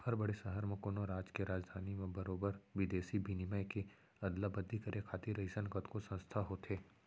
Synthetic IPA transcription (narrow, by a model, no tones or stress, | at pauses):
hɐɾbɐɽesəɦəɾmẽkoːnoɾaːd͡ʒkeɾaːd͡ʒd̪ʱaːnimẽbɐɾoːbəɾʋɪd̪eːsibʱiniməjke | ɐd̪labɐd̪ʱːikɐɾʔekʰaːt̪iɾɐisənkət̪kosɐ̃nst̪ʰaɦoːt̪eː